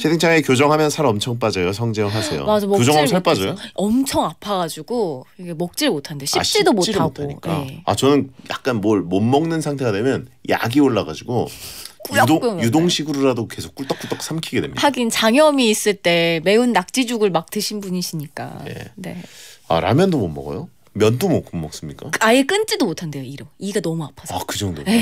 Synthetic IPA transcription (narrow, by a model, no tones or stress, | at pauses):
t͡ɕʰetʰeŋt͡ɕʰaŋekjod͡ʑʌŋɦamjʌnsʰaɾʌmt͡ɕʰʌŋp̬͈ad͡ʑʌjosʰʌŋd͡ʑeɯɭɦasʰe̞jo̰mad͡ʑamkjod͡ʑʌŋamsʰaɭp͈ad͡ʑʌjoʌmt͡ɕʰʌŋapʰaɡad͡ʑiɡoiɡemʌk̚t͡ɕ͈iɾmotʰannde̞ɕʰḭɕ͈ʰedomotiatɡʰoaikj͈aḛa̰t͡ɕʌnɯnja̰k̚k͈anmʌɭmʌmːʌŋnɯnsʰaŋtʰe̞ɡadwe̞mjʌnja̰ɡioɭːaɡa̰d͡ʑiɡok͈uʎːadok͈ojudoŋɕʰiɡuɾoɾadoke̞sʰo̥k͈uɭt͈ʌk͈uɭt͈ʌkʰs͈ʰamkʰiɡe̞dwemɲihaɡint͡ɕaŋjʌmiːs͈ɯɭt͈e̞me̞unːak̚t͡ɕ͈id͡ʑuɡɯɭmak̚tɯɕʰinbuɲiɕʰiɲik͈a̰je̞̰ne̞̰a̰ɾa̰mjʌndomʌmːʌ̰ɡʌ̰jo | mjʌndomʌkʰumːʌk̚s͈ɯmɲik͈aajek͈ɯnt͡ɕ͈idomotʰande̞joiɾʌiɡanʌmuapʰasakɯd͡ʑʌŋdoe